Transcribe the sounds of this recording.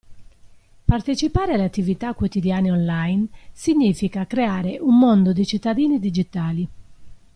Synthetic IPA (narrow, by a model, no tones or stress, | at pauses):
part̪et͡ʃipaːɾealːeat̪ːivit̪akːwot̪id̪jaːneɔnlajnsiɲːifikakɾeaːɾeʔumːond̪od̪it͡ʃit̪ːad̪iːnid̪id͡ʒit̪aːli